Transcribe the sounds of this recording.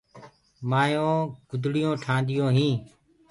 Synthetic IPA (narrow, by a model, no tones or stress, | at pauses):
maːjõːɡʊd̪ʱɽɪjõːʈʰãːnd̪ɪjõːɦĩː